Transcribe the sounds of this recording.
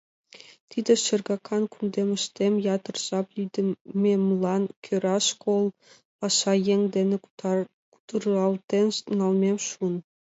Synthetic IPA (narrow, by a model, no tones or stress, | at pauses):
t̪ʲʰid̪ʲĕʃɘ̆rɡɑkʰɑnkund̪ʲemʲɘ̆ʃt̪ʲemʲjɑt̪ɤ̆rz̥ɑplʲid̪ʲɘmʲemlˠɑnkʲʰøɾʲɑʃkʰolˠ | pɑʃɑjeŋd̪ʲenʲe | ku̥t̪ɤrɑlˠt̪ʲenʲsnɑlˠmʲemʲʃun